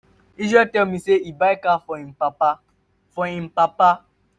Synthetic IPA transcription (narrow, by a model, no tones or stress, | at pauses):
izɛtɛlmiseibaikafɔim̩paa | fɔĩm̩papa